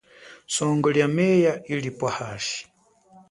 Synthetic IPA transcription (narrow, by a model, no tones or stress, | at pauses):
sɔŋɡɔljamɛjailipwahaːʃi̥